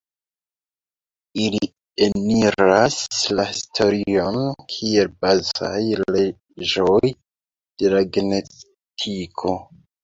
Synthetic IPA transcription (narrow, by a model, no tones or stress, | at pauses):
ili | eniɾaslahistʰo̞ɾio̞nkʰie̞lbaza̰jle | ʒoj | d̥e̞laɡnes | tʰikʰo̞